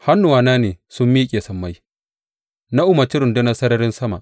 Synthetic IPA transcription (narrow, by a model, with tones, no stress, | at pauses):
ha˦nːʊ˨waː˨naː˦neː˨sʊ˦mːiː˦kʲʼeː˨sɐ˨mːa˦j | na˦ʔʊ˦mɐ˨t͡ʃɪ˦ɾʊ˨nde˦nɐ˦sɐ˦ɾɐ˦ɾɪ˦nsɐ˦ma˨ʔ